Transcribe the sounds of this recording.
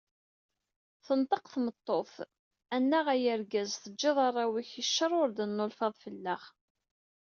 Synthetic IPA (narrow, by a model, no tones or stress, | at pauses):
θənt̪ˤəqθmət̪ˤːoθ | ænːæʁæjəɾɡæzθəd͡ʒːɪðˤɑrˤːɑwiçiʃːəɾˤʊɾd̪ənːolfɑðˤfəlːəʁ